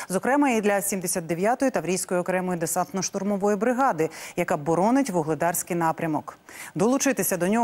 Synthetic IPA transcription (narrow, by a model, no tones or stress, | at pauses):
zɔkɾɛmɐid̪lʲɐsʲimd̪esʲat̪ːeʋʲjat̪ɔjʊt̪ɐʋɾʲijsʲkɔjiɔkɾɛmɔjʊd̪esɑnt̪nɔʃt̪ʊrmɔʋɔjibɾɪɦɑd̪ɪjɐkabɔɾɔnɪtʲʋɔɦlˠed̪ɑrsʲkɪjn̪ɑpɾʲɐmɔkd̪ɔlˠʊt͡ʃɪt̪ɪsʲɐd̪ɔnʲɔ